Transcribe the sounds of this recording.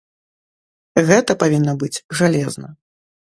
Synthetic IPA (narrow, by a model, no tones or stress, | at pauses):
ɣɛt̪ɐpavʲinːɐbɨd͡zʲʐalʲɛznɐ